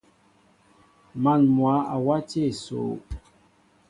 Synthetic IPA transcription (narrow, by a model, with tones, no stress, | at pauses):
ma˨nmwa˨˦a˨wa˦te˦˨so̰ː˨˦